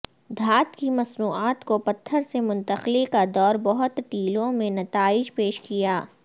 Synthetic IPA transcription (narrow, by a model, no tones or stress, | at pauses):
d̪ʱaːt̪kimɐsnuːaːt̪kopɐt̪ʰːəɾsemʊ̃nt̪əxlekad̪ɔːɾbɔɦʊt̪ʈiːlõmẽnɐt̪aːɪd͡ʒpeːʃkijaː